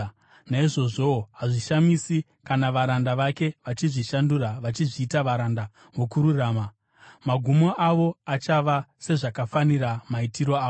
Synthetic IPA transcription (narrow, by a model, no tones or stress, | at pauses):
naiʐo̞ʐo̞ɦaʐiʃamisi | kanaʋaɾandaʋake̞ʋat͡ʃiʐiʃanduɾaʋat͡ʃiʐiːtaʋaɾanda | ʋokuɾuraːma | maɡʱumoʔaʋo̞at͡ʃaʋase̞ʐakafaniɾamaitiɾo̞aːo